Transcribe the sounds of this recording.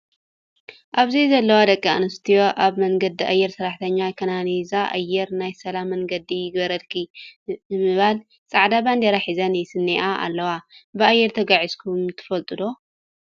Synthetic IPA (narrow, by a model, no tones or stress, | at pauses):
ʔaβzizɐlːɐwad̪ɐkʼːaɨnɨst̪ʰijo̞ʔaβmɐŋɡɐd̪iʔajːɛɾsɨɾaħt̪ʰɐɲːakʰɐnanizaʔa̰jːɛɾnajsɐlamːɐŋɡɐd̪ijɪɡbɐɾɐlkʰinɨmɨβal | t͡sʼaʕd̪aband̪ɐɾaħizɐnjɛsɨnːeʔaʔa̰lːɐwabɨajːɛɾt̪ʰɐɡaʕizkʰumt̪ʰɨ̥fɐlt̪ʼɨd̪o̞